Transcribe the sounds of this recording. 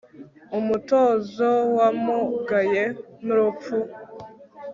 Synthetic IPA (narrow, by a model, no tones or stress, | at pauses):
umutoːzowamuɡajenuɾup͡fu